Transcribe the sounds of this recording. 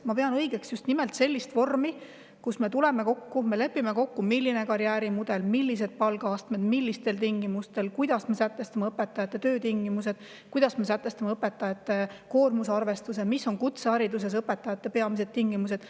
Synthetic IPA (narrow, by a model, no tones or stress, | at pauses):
mɑpe̞ɑnɤjɡ̥e̞ksjust̪nimelt̪se̞lʲːist̪vo̞rmi | kusme̞t̪ule̞meko̞kːume̞le̞pːime̞ko̞kːumilːine̞kɑɾjæːɾimud̪̥e̞lmilʲːise̞d̪̥̚pɑlɡɑɑst̪me̞d̪milʲːist̪e̞lt̪iŋɡimust̪e̞lkujd̪̥ɑsme̞sæt̪ːˑe̞st̪ɑmeɤpːˑe̞t̪ːˑɑjɑt̪ːˑe̞t̪øːt̪iŋɡimuse̞d̪̥ | kujd̪̥ɑsme̞sæt̪ˑːe̞st̪ɑmeɤpːˑe̞t̪ːˑɑjɑt̪ːˑe̞ko̞ːrmusɑrve̞st̪us̬emisːo̞nkut̪seɑɾid̪us̬e̞s̬ɤpːˑe̞t̪ːˑɑjɑt̪ːe̞peɑmise̞d̪̚t̪iŋɡ̥imus̬e̞d̥̪